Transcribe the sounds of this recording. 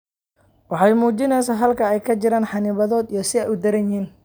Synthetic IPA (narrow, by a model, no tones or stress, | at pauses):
wʔɑħɑjmuːt͡ʃɪnɛjsaːɦɐlkʰɐɛjkʰɐt͡ʃɪɾaːnħɑnɪβɐðɔːd̪ijɞsɪɛjʊd̪ɐɾɐnjɪiːn